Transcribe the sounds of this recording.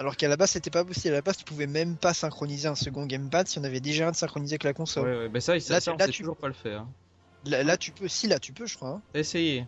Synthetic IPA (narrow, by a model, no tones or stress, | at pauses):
alɔʁkalabazset̪ɛpapɔsiblalabaz̥t̪y̥puvɛmɛmpasɛ̃kχɔnizeɛ̃səɡɔ̃ɡʲampad̪siɔ̃navɛd̪eʒaɛ̃d̪əsɛ̃kχɔnizeavɛklakɔ̃sɔlwɛbɛsaislasaɛt̪yuʒuʁpaləfɛʁɛ̃ | lalat̪ypøsilat̪ypøʒə̥kχwaɛ̃eseje